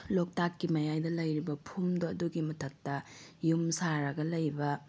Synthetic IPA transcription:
lok̚takːimɐjajdɐlɐjɾibɐpʰumdoɐduɡimɐtʰɐk̚tɐjumsaɾɐɡɐlɐjbɐ

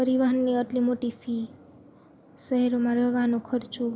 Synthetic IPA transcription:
pəɾiʋəɦənːiəʈlimoʈipʰi | səɦeɾomãɾəɦʋanokʰəɾt͡ʃu

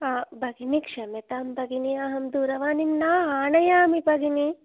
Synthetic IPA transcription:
abʱɐɡinikʂɐmet̪aːmbʱɐɡiniɐɦɐmd̪uːɾɐʋaːnimnaːaːnɐjaːmibʱɐɡini

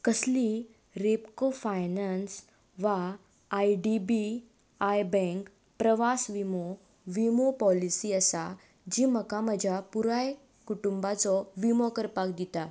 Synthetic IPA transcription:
kəsli | ɾepkofajnans | ʋaː | jɖibi | ajbɛ̃ŋk | pɾəʋasʋimo | ʋimopɔlisiːəsa | d͡ʑiːməkaməd͡ʑʱapuɾaj | kuʈumbat͡sɔʋimɔkəɾpakd̪it̪a

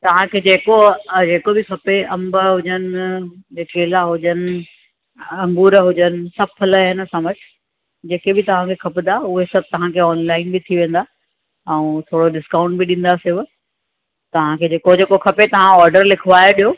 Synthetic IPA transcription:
t̪ɐʋ̤ãkʰeːd͡ʑeːkod͡ʑeːkobɪkʰɐpeɐ̃mbəɦʊd͡ʑənɪ̆ | keːlaɦʊd͡ʑənɪ̆ | ɐ̃ŋɡuːɾəɦʊd͡ʑənɪ̆sɐbpʰɐləɦɪnəsãʋəʈʰɪ̥ | d͡ʑeːkebɪt̪ɐʋ̤ãkʰeːkʰɐpɪd̪aʊɦesɐb̚t̪ɐʋ̤ãkʰeɔːnlaːɪnbɪt̪ʰiʋẽːn̆d̪aː | ɛ̃ũt̪ʰoːɽoɗɪskaːʊ̃ɳʈbɪɗĩːn̆d̪asɪʋ | t̪ɐʋ̤ãkʰeːd͡ʑeːkod͡ʑeːkokʰɐpet̪ɐʋ̤ãɔːɾɖəɾlɪkʰʊʋaːeɗijoː

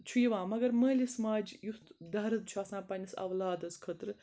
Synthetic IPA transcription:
t͡ʃʰujiʋãːmɐɡɐɾməːlʲismaːd͡ʒjust̪d̪ɐɦɾɐzt͡ʃʰuaːsãːpɐnʲisɐ̰ʋlaːd̪ɐzkʰət̪ɾɨ

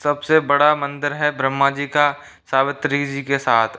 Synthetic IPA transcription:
sɐbsebɐɽamɐ̃nd̪əɾɦɛbɾəmːad͡ʒiːka | saːʋət̪ɾid͡ʒiːkesaːt̪ʰ

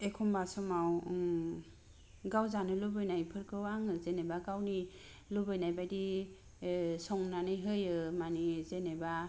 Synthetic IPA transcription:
ekʰumbasɔmaw | ɡawzanɯlubɯjnajpʰɯɾkʰɯwaŋɯzenebaɡawni | lubɯjnajbajdi | sɔŋnanɯjɦɯjɯmanizeneba

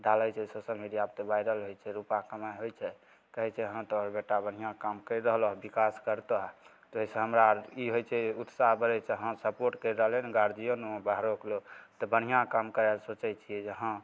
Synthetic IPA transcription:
ɖalət͡ʃʰɛsosəlmiɖijab̚t̪ɔbajɾəlɦojt͡ʃʰɛɾupakəmajɦojt͡ʃʰɛ | kəɦɛt͡ʃʰɛɦə̃t̪ɔɾbeʈabən̤ijãkamkəɾəɦlɔɦbikaskəɾt̪əɦt̪ɔisẽɦəmɾaiɦojt͡ʃʰɛut̪saɦbəɾɛt͡ʃʰɛɦə̃səpoɾʈkəjɾəɦlenɡaɾd͡ʒ̪ijonũbaɦɾoklot̪ɔbən̤ijãkamkəɾɛlsot͡ʃɛjt͡ʃʰiɛd͡ʒeɦã

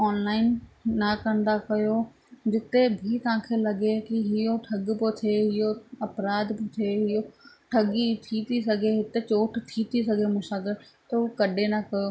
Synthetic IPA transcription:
ɔːnlaːɪnːɐkɐ̃n̆d̪akɐjo | d͡ʑɪt̪ebʱit̪ɐʋ̤ãkʰeːlɐɡekiɦɪjoʈʰɐɡpot̪ʰeɦɪjoɐpɾaːd̪pot̪ʰeɦɪjo | ʈʰɐɠit̪ʰit̪ʰisɐɡʱeɦɪt̪et͡ɕoːʈʰt̪ʰit̪ʰisɐɡʱemʊ̃ʃaːɡɪɾt̪ɐukɐɗenɐkɐjo

